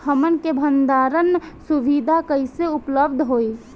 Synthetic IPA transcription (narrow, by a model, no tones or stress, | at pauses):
ɦəmənkebʱənd̪aːɾənsuʋid̪ʱakəɪseʊpləbd̪ʱɦoːi